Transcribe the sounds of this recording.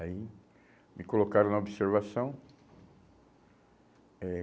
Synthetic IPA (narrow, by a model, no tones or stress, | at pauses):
ai | mɪkolokaɾɐ̃nɐobiseɾvasɐ̃w̃ | ɛ